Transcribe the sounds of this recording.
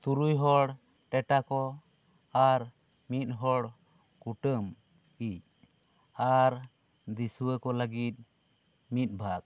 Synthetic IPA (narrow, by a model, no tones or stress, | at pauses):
t̪uɾujɦɔɽ | ʈɛʈakɔ | aɾ | mit̪̚ˀɦɔɽ | kuʈəm | ic̚ | aɾ | d̪isuwəkɔləɡit̪̚ˀ | mit̪̚ˀbʱak̚